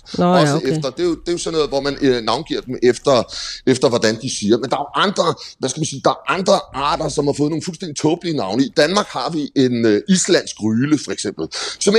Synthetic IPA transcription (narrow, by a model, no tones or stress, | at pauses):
ɒsəefd̥ɐd̥e̝jo̝d̥e̝jo̝sɒ̽nːɔ̽ːð̩ˠʋɒmænnɑ̈ʊnɡ̥ḭɐd̥emefd̥ɐefd̥ɐʋɒd̥ænd̥isiːɐmend̥ɑ̈æʔɑ̈nd̥ʁɐʋæsɡ̥æmænsiːd̥ɑ̈æɐʔɑ̈nd̥ʁɐʔɑ̰̈ːd̥ɐsɒ̽mhɑ̈fɔ̽ːð̩ˠnoːnfulsd̥end̥i̥t͡sʰɔːb̥əlinɑ̈ʊnəid̥ænmɑ̈ːɡ̥hɑ̈ʋiʔe̝nøislæn̰sɡ̥ʁyːləfɒ̽eɡ̥sem̰b̥l̩sɒ̽m